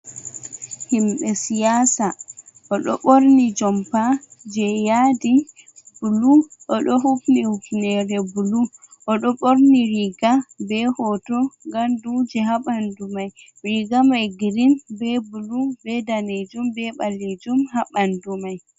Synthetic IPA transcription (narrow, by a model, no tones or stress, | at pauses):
himɓɛsijaːsa | ʔɔɗɔɓoɾnid͡ʒɔmpad͡ʒɛjadi | b̥uluʔɔɗɔɦufnihupnɛɾɛbuluʔɔɗɔɓoɾniɾiɡabɛhɔtɔŋɡamdud͡ʒɛɦaɓandumaj | ɾiɡamajɡiɾinbɛbulubɛdaned͡ʒumbɛɓaled͡ʒumhaɓandumaj